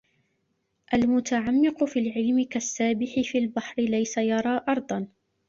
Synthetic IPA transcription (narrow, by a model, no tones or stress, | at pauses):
ʔalmʊt̪aʕamːɪqʊfiːlʕɪlmɪkasːaːbɪħɪfiːlbaħɾɪlajsajɑɾˤɑːʔɑɾˤd̪ˤɑn